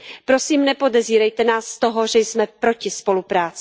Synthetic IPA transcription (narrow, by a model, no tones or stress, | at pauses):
pɾo̞siːmnɛpo̞dɛziːɾɛjt̪ɛnaːsːt̪oɦoʒɛjsmɛpɾo̞cɪspo̞lupɾaːt͡sɪ